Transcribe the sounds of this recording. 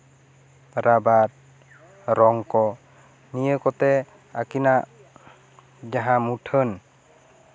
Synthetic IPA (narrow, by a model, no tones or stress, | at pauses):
ɾabat̚ | ɾɔŋkɔ | nijəkɔt̪ɛ | akinaʔ | d͡ʒaɦãmutʰən